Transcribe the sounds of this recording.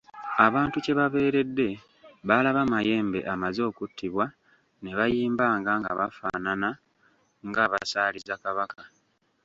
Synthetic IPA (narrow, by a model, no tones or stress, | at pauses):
aβaːntuce̞βaβe̞ːɾe̞dːe̞ | βalaβamaje̞ːmbe̞̰ʔamazo̞ːkutːiβwa | ne̞βajiːmbaːŋɡaŋɡa̰βa̰fa̰ːnana | ŋɡaβa̰saːlizakaβakʰa